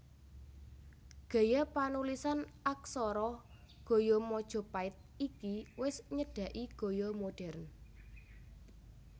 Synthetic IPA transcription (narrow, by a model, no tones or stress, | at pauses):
ɡ̥a̤japanulisanʔak̚sɔɾɔ | ɡ̥o̤jɔmɔd̥ʒ̥ɔ̤paɪt̪̚ikiwɪsɲəd̥ä̤ʔiɡ̥o̤jɔmoɖ̥ɛ̤rn